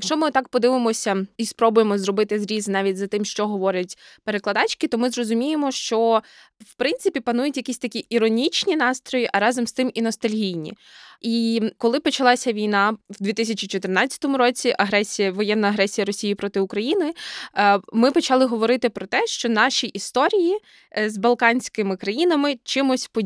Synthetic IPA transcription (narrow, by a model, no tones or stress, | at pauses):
jjɐkʃt͡ʃɔmɪt̪ɑk̚pɔd̪ɪʋɪmɔsʲɐispɾɔbʊjemɔzrɔbɪt̪ɪzɾʲiznɑʋʲitʲzɐt̪ɪmʃt͡ʃɔɦɔʋɔɾʲɐtʲpeɾeklˠɐd̪ɑt͡ʃkɪt̪ɔmɪzrɔzʊmʲijemɔʃt͡ʃɔ | wpɾɪnsɪpʲipɐnujʊtʲjɐkʲisʲt̪ɐkʲiʔiɾɔnʲit͡ʃnʲinɑst̪ɾɔjiʔɐɾɑzɔmst̪ɪminɔst̪ɐlʲɦʲijnʲḭ | ikɔlˠɪpɔt͡ʃɐlˠɑsʲɐʋʲijnɑwd̪ʋʲit̪ɪsʲɐt͡ʃit͡ʃɔt̪ɪrnɑt͡sʲːɐ̥t̪ɔmʊɾɔt͡sʲiʔɐɦɾɛsʲijɐʋɔjɛnːɐɐɦɾɛsʲijɐɾɔsʲijipɾɔt̪ɪʊkɾɐjinɪ | mɪpɔt͡ʃɑlˠɪɦɔʋɔɾɪt̪ɪpɾɔt̪ɛʃt͡ʃɔnɑʃiʔist̪ɔɾʲiji | zbɐlˠkɑnʲsʲkɪmɪkɾɐjinɐmɪt͡ʃɪmʊsʲpɔ